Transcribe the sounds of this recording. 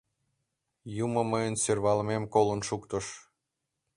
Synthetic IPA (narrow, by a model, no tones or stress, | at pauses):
juməməjənsørβɑlmemkolənʃukt̪əʃ